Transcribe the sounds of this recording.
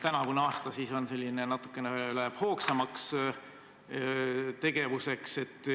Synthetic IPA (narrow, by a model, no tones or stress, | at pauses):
t̪ænɑkunɑːst̪ɑsiso̞nse̞lʲːinenɑt̪ːˑu̥kːˑeneyleb̥ho̞ːksɑmɑks | t̪e̞ɡ̥e̞vuse̞kse̞t̪ːˑ